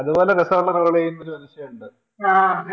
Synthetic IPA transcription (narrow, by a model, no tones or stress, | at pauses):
ɐðubo̞ːleɡɐsɐʋuɭːɐkɐɾɐɭejunːɐɾumɐnuɕjɐɐuɳɖɨ | a